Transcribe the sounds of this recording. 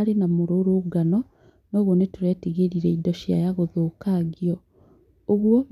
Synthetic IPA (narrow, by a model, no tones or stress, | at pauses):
ɾenamoɾoɾoɡanɔ | noːɣonetuɾɛtiɣeɾiɾɛidɔʃja̰jaɣoðokaɡiɔ | oɣwɔ